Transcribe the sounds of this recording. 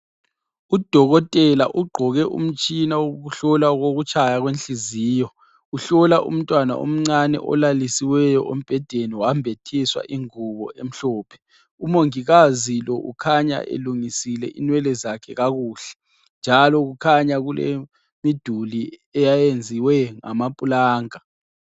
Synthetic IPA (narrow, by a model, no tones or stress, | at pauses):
ud̥ʱɔɣɔtʼɛlaʔuɡ͡ǃʱɔɣɛʔṵm̩t͡ʃʼinawoɣuɬɔlaɣoɣut͡ʃʰʼajaɣwenɬiziːjɔ | uɬɔlaʔṵm̩tʼwana̰ʔo̰m̩ŋ͡ǀanɛ̰ʔɔ̰lalisiwɛjɔʔom̩b̥ʱɛd̥ʱeniwambʱetʰiswa̰ʔiŋuβɔ̰ʔem̩ɬɔːpʰɛ̥ | umoŋiɣazilɔʔukʰaɲa̰ʔḛluŋisilɛʔḭnwɛlɛzakʰɛɣaɣuːɬɛ̥ | nd͡ʒʱalɔɣukʰaɲaɣulḛ | mid̥ʱuliɛjajend͡zʱiwɛŋa̰mapʼulaːŋa